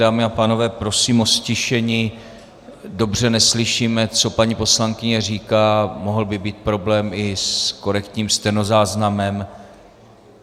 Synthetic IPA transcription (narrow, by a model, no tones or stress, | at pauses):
daːmɪapaːno̞vɛːpɾo̞siːmo̞scɪʃɛɲiː | do̞br̝ɛnɛslɪʃiːmɛt͡so̞paɲipo̞slaŋkɪɲɛriːkaːmo̞ɦl̩bɪbiːt̪̚pɾo̞blɛːmɪsko̞ɾɛkt̪ɲiːmst̪ɛno̞zaːznamɛm